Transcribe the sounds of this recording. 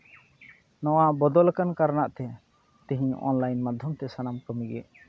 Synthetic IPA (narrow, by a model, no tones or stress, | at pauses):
nɔwabɔd̪ɔlkankaɾnaʔt̪ɛ | t̪ĩɦĩɔ̰nlajnmad̪ʱjɔmt̪ɛsanamkəmiɡɛ̰